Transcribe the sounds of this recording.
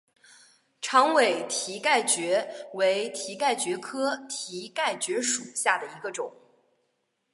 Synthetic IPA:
ʈ͡ʂʰɑ˧˥ŋwe˨˩ɪt̪ʰi˧˥ka˥˩ɪt͡ɕɥɛ˧˥we˧˥ɪt̪ʰi˧˥ka˥˩ɪt͡ɕɥɛ˧˥kʰɤ˥t̪ʰi˧˥ka˥˩ɪt͡ɕɥɛ˧˥ʂu˨˩ɕja˥˩d̪ə˩i˧˥ɡə˧ʈ͡ʂʊ˨˩˦ŋ

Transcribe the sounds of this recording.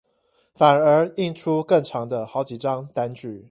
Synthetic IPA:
fa˨˩nə˨˧˥i˥˨nʈ͡ʂʰu˦kə˥˨ŋʈ͡ʂʰɑ˧˦ŋd̪ə˧xɑ˧˥ʊt͡ɕi˨˩ʈ͡ʂɑ˦ŋt̪a˥˦nt͡ɕy˨˩˦

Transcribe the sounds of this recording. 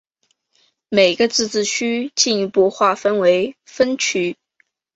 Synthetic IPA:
me˨˩ɪɡə˧t͡sɹ̩˥˧t͡sɹ̩˥˩t͡ɕʰy˥t͡ɕi˥˧ny˥˧˩pu˥˧xwa˥˩fə˥nwe˧˥ɪfə˥nt͡ɕʰy˧˥

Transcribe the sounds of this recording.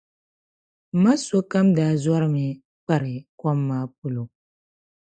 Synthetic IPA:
ma˦so˦ka˦mdaː˨˦za˦ɾɨ˦mɪ˨ | k͡pa˦ɾɪ˨kɔ˦mːaː˦p̚ʊ˦lo˨

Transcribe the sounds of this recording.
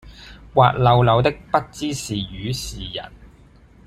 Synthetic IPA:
wa̰ː˨t̚lɐ˨˧wlɐ˨˧wt̪ɪ˥k̚pɐ˥t̚t͡siː˥siː˨˩jyː˨˧siː˨˩jɐ̰˨˩n

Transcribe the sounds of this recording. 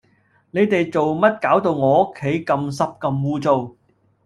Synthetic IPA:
ne˨˧jt̪e˨jt͡so˨wmɐ˥t̚kaː˨˥wt̪o˧wŋɔː˨˧o˥kʰːe˨˥jkɐ˧msɐ˥p̚kɐ˧mwuː˧t͡so˨w

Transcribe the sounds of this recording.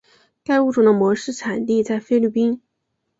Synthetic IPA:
ka˥˧ɪu˥˩ʈ͡ʂu˨˩d̪ə˦mwɔ˧˥ʂɻ̩˥˩ʈ͡ʂʰa˨˩nt̪i˥˧t͡sa˥˩ɪfe˥ɪly˥˩pi˥n

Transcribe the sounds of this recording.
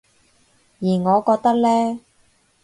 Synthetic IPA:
jiː˨˩ŋɔː˨˧kɔː˧k̚t̪ɐ˥k̚lɛː˥

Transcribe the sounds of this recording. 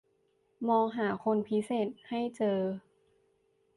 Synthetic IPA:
mɔː˧ŋɦaː˩˦kʰo˧npʰi˦˥seː˨˩t̪̚ha˥˩jt͡ɕɤː˧

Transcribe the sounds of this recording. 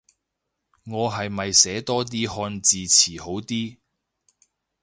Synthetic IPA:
ŋɔː˨˧ɦɐ˨jmɐ˨jsɛː˨˥t̪ɔː˥t̪̬iː˥hɔː˧nt͡siː˨t͡sʰiː˨˩ho˨˥wt̪iː˥

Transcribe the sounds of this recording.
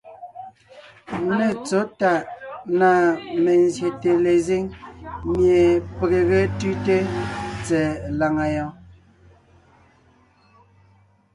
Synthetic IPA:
ne˨t͡so˨˦ta˦˨ʔna˨me˨nzje˨te˨le˨zi˦ŋmje˨pe˨ɣe˨ɣe˦tʉ˦te˦t͡sɛ˨la˨ŋa˨jɔ̃˦

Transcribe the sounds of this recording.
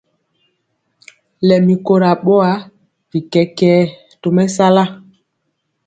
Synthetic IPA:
lɛ˨mi˨ko˨ɾa˨ɓɔ˦a˦ | v̥i˨kɛ˨kɛ˨˦ | to˨mɛ˦sa˦la˦

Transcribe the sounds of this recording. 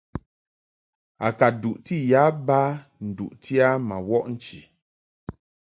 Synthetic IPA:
a̰˨ka˨du˨ʔti˦˨ja˨˦ba˦ | n̩˨dṵ˨ʔtʰi˦a˦ma˨wɔ˦ʔn̩˨t͡ʃi˨

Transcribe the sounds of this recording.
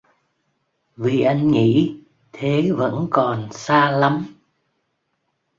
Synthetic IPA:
vi˨˩ʔa˧jŋ̟ŋḭ˧˥ | t̪ʰe˨˦və̰˧˥nkɔ˨˩nsaː˧la˨˦m

